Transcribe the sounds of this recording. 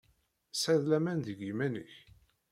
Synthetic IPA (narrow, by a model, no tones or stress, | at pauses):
sæðlæmænðəɡimænə̰ç